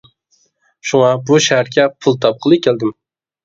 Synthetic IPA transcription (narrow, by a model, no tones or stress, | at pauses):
ʃuŋɑbuʃæhæɾkʲɛpʰulˠt̪ʰɑp̚qʰəlˠɨkʲʰæld̪ɪm